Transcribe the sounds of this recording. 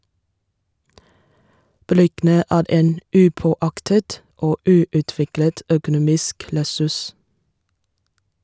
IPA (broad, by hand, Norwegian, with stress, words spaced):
ˈbɾʏɡn̩ə ˈæːɾ ˈeːn ˈʉːˌpoːˌɑktət ˈoː ˈʉːʉˌtʋɪklət ˈœkʊˌnuːmɪsk lɛˈsʉs